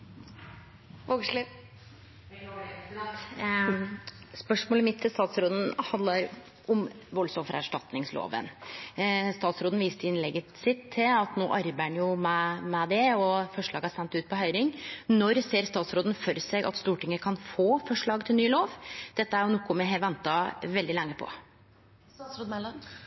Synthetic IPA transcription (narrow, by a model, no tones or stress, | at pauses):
ʋoɡʂlɪ | spœʂmoːləmɪt̪ʰːɪlst̪ɑːt̪sɾoːd̪n̩hɑnd̪lɑɾ | ʊmʋɔlsɔmfəɾæ̰ʂʈɑt̪nɪŋslo̰ːʋə̰n | st̪ɑːt̪sɾoːd̪n̩ʋiːst̪əɪnlɛɡəsɪt̪ʰːɪɑt̪noːʔɑɾbæɳjʊmæmɛd̪ɛɔfɔʂɭɑːɡəæsɛnt̪ʉːt̪̚pʰɔhœʏɾɪŋnɔɾseːɾst̪ɑːt̪sɾoːd̪n̩fɔɾsɛɡʔɑ̰t̪st̪uːʈɪŋːəkʰɑnfoːfɔʂɭɑːɡt̪ʰɪlnyːloːʋd̪̥ɛt̪ːəæɾjʊnɔkːʊmɛɦɛʋɛnt̪ɑʋɛld̪ɪlɛŋːəpʰɔ̰